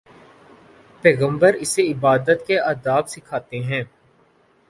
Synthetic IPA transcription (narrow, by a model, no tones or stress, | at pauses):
pɛːɣə̃mbəɾɪseɪbaːd̪ət̪keaːd̪aːbsɪkʰaːt̪eɦɛ̃ː